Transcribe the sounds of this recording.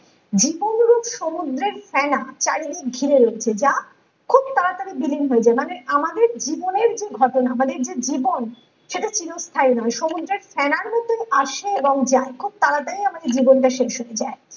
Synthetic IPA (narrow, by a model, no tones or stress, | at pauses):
d͡ʑibonɾuɡʃomud̪ɾeɾfɛnat͡ɕaɽilik̚ɡʱiɾeɾoet͡ɕʰed͡ʑa | kʰub̚t̪aɾat̪ad̪ebilinɦoed͡ʑaemaneʔamad̪eɾd͡ʑiboneɾd͡ʑeɡʱɔʈonaamad̪eɾd͡ʑed͡ʑibon | ʃeʈat͡ɕinost̪ʰainɔeʃomud̪ɾeɾfɛnaɾmɔt̪ːoʔaʃeeboŋd͡ʑaekʰub̚t̪aɾat̪aijamad̪eɾd͡ʑibonʈaʃeʃɦoed͡ʑae